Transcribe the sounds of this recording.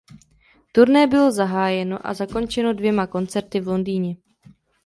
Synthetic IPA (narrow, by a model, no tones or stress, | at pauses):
t̪uɾnɛːbɪlo̞zaɦaːjɛno̞ʔa̰zako̞nt͡ʃɛno̞dvjɛmako̞nt͡sɛɾt̪ɪvlo̞ndiːɲɛ